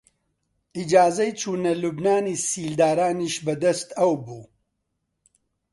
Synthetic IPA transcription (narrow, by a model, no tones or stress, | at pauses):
id͡ʒaːzɐjt͡ʃʰuːnɐlubnaːniːsiːld̪aːɾaːniːʃbɐd̪ɐst̪ɐwbuː